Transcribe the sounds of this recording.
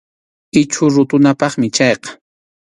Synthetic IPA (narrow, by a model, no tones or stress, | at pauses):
ɪt͡ʃʊɾʊt̪ʊnapɑχmɪt͡ʃɑjqɑ̥